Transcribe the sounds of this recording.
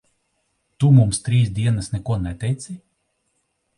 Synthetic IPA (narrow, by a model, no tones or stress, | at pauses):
t̪umumst̪ɾiːsd̪ʲiɛnasnɛkuɔnɛt̪ʲɛjt̪sʲi